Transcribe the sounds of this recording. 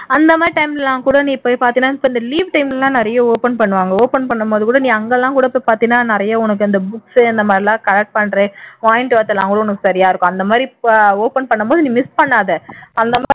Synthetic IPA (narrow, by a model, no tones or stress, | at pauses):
ɐnd̪ɐmaːdɾiʈɐɪmlɛlãːkuːɽɐnĩːpːoːjpaːɾt̪iŋnːaːɪpːoɪnd̪ɐliːʋʈɐɪmllãːnɪɾɐjɐoːpɛnpɐɳːɯʋaːŋɡɐoːpɛnpɐɳːɐmpoːðɯkuːɽɐnĩːɐŋɡɐlãːkuːɽɐpːoːjpaːɾt̪ɪiŋɡnːaːnɪɾɐjɐʊnɐk̬ːɯɪnd̪ɐbʊksɪnd̪ɐmaːd̪ɾɪlãːkɐlɐk̚ʈ̚pɐɳɾeːʋaːjɪɳʈʋɐːt̪ːɐlːãːŋkuːɽɐʊnɐkːɯsɐɾɪjaːɪɾɯkːʊ̃ɐnd̪ɐmaːd̪ɾioːpɛnpɐɳːɐmpoːðɯnĩːmɪspɐɳːaːðɛʔɐnd̪ɐmː